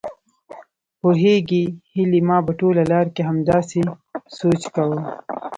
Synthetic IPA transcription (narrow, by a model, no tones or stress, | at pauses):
pʊɦeɡihilimɑːbaʈoːlalɑːɾkeɦɐmd̪ɑːsi | soːt͡ʃkawə